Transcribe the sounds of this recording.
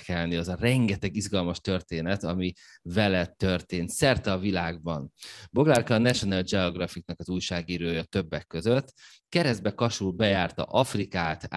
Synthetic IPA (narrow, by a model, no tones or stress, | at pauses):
kɛlniɛzɒrɛŋɡɛt̪ɛɡizɡɒlmɒʃt̪ø̞rt̪eːnɛt̪ɒmi | vɛlɛt̪ːø̞rt̪eːnt̪sɛrt̪ɛːvilaːɡ̚bɒnboɡlarkɒːnɛʃo̞nald͡ʒɛoɡrɒfik̚nɒkɒzuːjʃaːɡiːɾøːjɒt̪ø̞bːɛkːø̞zøt̪ː | kɛɾɛzd̪bɛkɒʃulbɛjaːrt̪ɒ̰ʔɒfrikaːt̪